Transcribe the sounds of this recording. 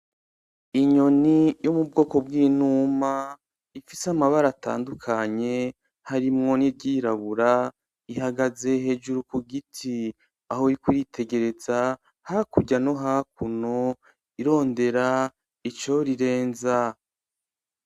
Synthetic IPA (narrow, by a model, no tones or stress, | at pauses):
iɲo̞nijomub̚ɡo̞ːko̞bɡiːnuːma | ifisamaβaɾata̰ːndukʰaɲe̞ | haɾimŋo̞nibɟiːɾaβuɾa | ihaɡaze̞ɦe̞ːd͡ʒuɾukuɡitʰi | ahojikuɾitʰeɡe̞ɾe̞za | hakuɾɟanoɦak̚uno̞ | iɾo̞ːnde̞ɾa | it͡ʃo̞ɾiɾe̞ːnza